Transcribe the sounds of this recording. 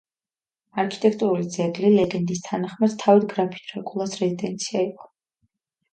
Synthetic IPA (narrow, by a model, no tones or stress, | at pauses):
aɾkʰi̥t̪ʼɛkʰt̪ʼuɾulid̪zɛɡlilɛɡɛnd̪ist̪ʰanaχmad̪̥t̪ʰːavid̪ɡɾapʰi̥t̪ʰɾɛkʼulˠasɾɛzid̪ɛnt̪sʰiaiqʼɔ̥